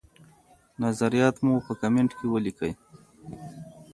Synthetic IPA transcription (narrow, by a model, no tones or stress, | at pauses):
nazaɾijɑt̪mupəkameɳʈkewəlikəj